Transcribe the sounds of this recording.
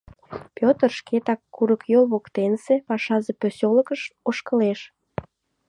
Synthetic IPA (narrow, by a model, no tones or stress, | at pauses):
pʲjot̪ərʃket̪ɑkːuɾəkjolβokt̪ensepɑʃɑzepøsoləkəʃoʃkə̆leʃ